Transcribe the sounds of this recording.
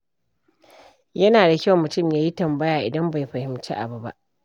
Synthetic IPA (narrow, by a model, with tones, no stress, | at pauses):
jɐ˦naː˨da˨kʲa˦wmʊ˨tʊ˦˨mjaː˦ji˦tɐ˨mbɐ˦jaː˨ʔɪ̰˨dɐ˦mba˨jɸɐ˨hɪ˨mt͡ʃḭ˦ʔa̰˨bu˨ba̰˦˨ʔ